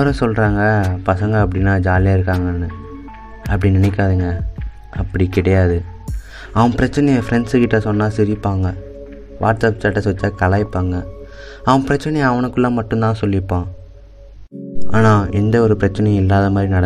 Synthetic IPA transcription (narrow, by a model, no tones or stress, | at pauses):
ɐɾɐ̃sɔlɾaːŋɡɐpɐsɐŋɡɐɐp̬ːɐɽɪnːaːd͡ʒaːlɪjaːɪɾɯkːaːŋɡɐnːɯ | ɐpːɐɽinɪnɛkːaːðɯŋɡɐ | ɐpːɐɽikɪɽɐjaːðɯ | ɐʋɐ̃pɪɾɐt͡ʃːɐnɛjɐfɪɾɛɳsɯkɪʈːɐsɔnːaːsɪɾɪpːaːŋɡɐ | ʋʔa̰ːʈsɐpsaːʈːɐsɔt͡ʃːaːkɐlaːjɪpːaːŋɡɐ | ɐʋɐ̃pɪɾɐt͡ʃːɐnɛjɐʋɐnɯkːɯlːãːmɐʈːɯ̃nt̪ãːsɔlːɪpːãː | ʔaːnaːɛnd̪ɐɔɾɯpɪɾɐt͡ʃːɐnɐj̃ɪlːaːðɐmaːd̪ɾinɐɽɐ